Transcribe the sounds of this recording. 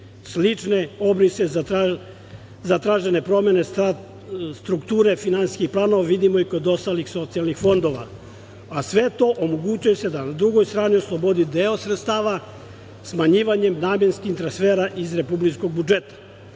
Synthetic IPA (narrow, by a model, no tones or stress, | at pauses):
slit͡ʂne̞o̞bɾisezaa | zat̪ɾaʒe̞ne̞pɾo̞me̞nea | st̪ɾukt̪uːɾe̞finansi̥skixplˠaːno̞ʋaʋid̪imo̞iko̞d̪o̞st̪alixso̞t̪sijalnixfo̞nd̪o̞ʋa̰ | asʋe̞t̪o̞ʔomoɡut͡ɕujese̞d̪anad̪ɾuɡo̞jst̪ɾaːnio̞slˠo̞bo̞d̪id̪eosɾet̪st̪aːʋa | smaɲiːʋaɲe̞mnaːmje̞nskixt̪ɾansfeːɾaʔizɾe̞publit͡ʃko̞ɡ̚bud͡ʒet̪ḁ